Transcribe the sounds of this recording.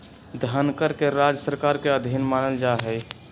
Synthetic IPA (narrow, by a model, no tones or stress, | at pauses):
d̪ʱənkəɾkeɾad͡ʒəsəɾkaːɾkeəd̪ʱinmaːnəld͡ʒaɦɛj